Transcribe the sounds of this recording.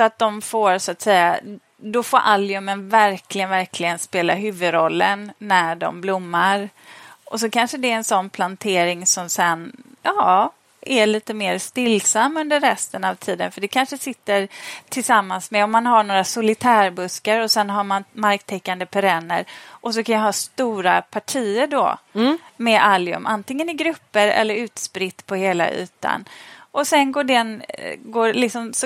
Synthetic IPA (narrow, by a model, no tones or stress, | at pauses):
sɔat̪̚d̪ɔmfoːɾsʊat̪sɛjːa | d̪ɔfoːɾʔalːjɵmːənvæɾklɪɡənvæɾkʰlɪɡənspeːlaɦʉ̟ːvɵd̪ɾɔlːənːæɖɔ̰mblʊmːaɾʔɔs̬ɔkʰanʂəd̪ɛɛnsɔnːpʰlant̪ʰeːɾɪŋsɔmsɛnjɑː | æɭiːt̪əmeːɾst̪ɪlːsamːɵnd̪əɾːɛst̪ənavt̪ʰiːd̪ə̰nfœɖɛkʰanʂəsɪt̪ːəɾt̪ʰɪlsamːansmɛɔmːanɦaɳoːɾasʊlɪt̪ʰæːɾbɵskəɾɔsɛnɦamanmaɾkt̪ʰɛkːand̪əpʰɛɾɛnːə̰ɾʔɔsɔkʰanjaɦɑːst̪uːɾapʰaʈʰiːəɖɔ̰ | mɛʔaljɵ̰mʔa̰nt̪ɪŋːənɪɡɾɵpːəɾɛ̰lːəɾʉ̟ːt̪spɾɪt̪ːpʰɔheːla̰ʔʉ̟̰ːt̪a̰nʔɔsɛnɡoːɖɛnɡoːɾlɪksɔms